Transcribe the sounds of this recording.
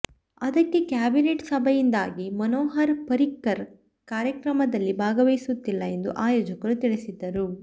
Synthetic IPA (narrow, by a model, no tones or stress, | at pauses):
ɐd̪ɐkːe̞kjaːbineʈsɐbʱɐjind̪aːɡimɐnoːɦɐɾpɐɾikːɐɾ | kaːɾjɐkɾɐmɐd̪ɐlːibʱaːɡɐʋɐjsut̪ːilːɐe̞nd̪uʔaːjoːd͡ʒɐkɐɾut̪iɭisid̪ːɐɾu